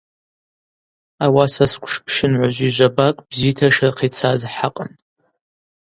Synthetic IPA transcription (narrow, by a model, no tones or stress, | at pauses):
awasaskʷʰʼʂpʰʂɪnʕʷaʒʷiʒʷabakʷʼbziːtʰaʂrɨqʰit͡sʰazħaqʼən